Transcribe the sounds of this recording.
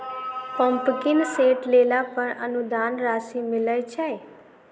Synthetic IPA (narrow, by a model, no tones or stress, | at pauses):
pɔmpkinseʈlelapəɾə̰nud̪anɾaʃimɪləjt͡ʃʰaj